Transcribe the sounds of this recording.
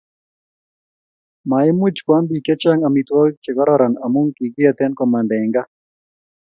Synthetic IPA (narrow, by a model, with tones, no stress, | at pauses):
ma˨ɪ˦mu˦t͡ʃkwa˦mbi˨kɛ˦t͡ʃa˦ŋa˨mit̪wa˦t͡ʃɛ˨kɔ˦ɾɔɾa˨na˨mu˦ŋki˨ɡɪ˦a˨t̪ɛ˦nkɔ˨ma˨ndɛ˨ŋɡa˦